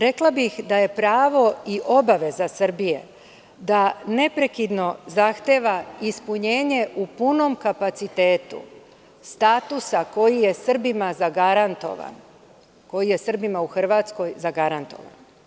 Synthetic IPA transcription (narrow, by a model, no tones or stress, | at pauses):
ɾe̞klˠabixd̪aje̞pɾaːʋo̞iʔo̞baʋe̞zasr̩bije̞ | d̪ane̞pɾe̞kid̪no̞zaxt̪e̞ːʋaispuɲe̞ːɲe̞ʔupuno̞mkapat̪sit̪e̞ːt̪ṵ | st̪aːt̪usako̞jije̞sr̩bimazaɡaɾant̪o̞̰ʋa̰n | ko̞jije̞sr̩bimauxr̩ʋaːt̪sko̞jzaɡaɾant̪o̞̰ʋa̰n